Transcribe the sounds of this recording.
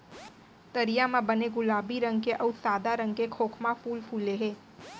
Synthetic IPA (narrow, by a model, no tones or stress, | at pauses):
t̪əɾijamãbɐneɡʊlaːbiɾɐ̃ŋɡ̚keʔɐʊsaːd̪aɾɐ̃ŋɡkekʰoːkʰmafuːlpʰuːleɦẽː